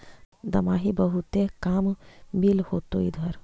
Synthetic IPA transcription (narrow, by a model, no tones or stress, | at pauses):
d̪ɐmaːɦibəɦut̪ekaːmːilhoːt̪oḭd̪ʱɐɾ